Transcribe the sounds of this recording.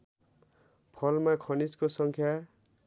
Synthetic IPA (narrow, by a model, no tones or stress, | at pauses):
pʰʌlmakʰʌniskosʌŋkʰja